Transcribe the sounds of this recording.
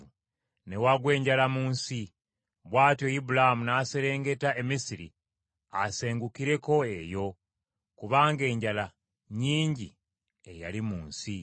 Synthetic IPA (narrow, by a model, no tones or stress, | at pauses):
u | ne̞waɡwe̞ːɲɟalamuːnsi | βwaːtjo̞ibulahamunaːse̞ɾe̞ːŋɡe̞taʔe̞misiɾḭ | a̰se̞ːŋɡukiɾe̞ko̞e̞jo̞ | kuβaːŋɡe̞ːɲɟala | ɲiːɲɟi | e̞ja̰limuːnsi